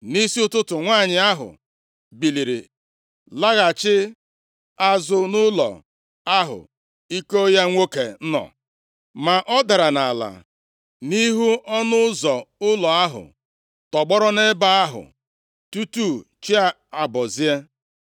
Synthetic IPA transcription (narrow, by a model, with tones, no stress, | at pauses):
ni˦si˦ʊ˦tʊ˦tʊ˨ŋʷaː˦˨ɲɪ˨a˦ɦʊ̰˨ | bi˨li˨ɾḭ˨ | la˦ɣa˨t͡ʃɪ˦ | a˦zʊ˨nʊ˦lɔ̰˨ | a˦ɦʊ̰˨ | i˦ko˦ja˦ŋʷo˦kḛ˨n̩˦nɔ̰˨ | ma˨ʔɔ˦da˨ɾa˨na˨la̰˨ | ni˦ɦu˦ɔ˦nʊ˦zɔ˨ʊ˦lɔ˨a˦ɦʊ̰˨ | tɔ˨ɡ͡bɔ˦ɾɔ˦ne˦ba˦a˦ɦʊ̰˨ | tu˦tu˦˨ | t͡ʃi˦a˨ | a˨bɔ˨zi˦e˦